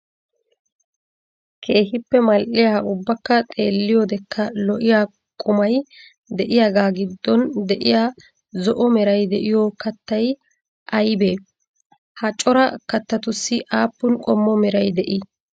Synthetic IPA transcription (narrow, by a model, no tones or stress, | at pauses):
kʰe̞ːhɪpːɛmɐlʔɪjaːʊbːɐkːɐt̪ʼe̞ːlːɪjɔd̪ɛkːɐlɔʔɪjaː | kʼʊmɐj | d̪ɛʔɪjaːɡaːɡɪd̪ːɔnd̪ɛʔɪjaː | zɔʔɔmɛɾɐjd̪ɛʔɪjɔkɐt̪ːɐj | ʔɐjbeː | hɐt͡ʃʼɔɾɐkɐt̪ːɐt̪ʊsːɪʔaːpːʊnkʼɔmːɔmɛɾɐjd̪ɛʔɪ